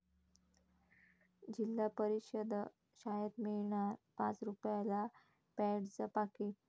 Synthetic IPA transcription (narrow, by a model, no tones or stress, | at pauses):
d͡ʑilːapəɾiɕəd̪ | ɕajəd̪miɭɳaɾpat͡sɾupjala | pɛɽt͡səpake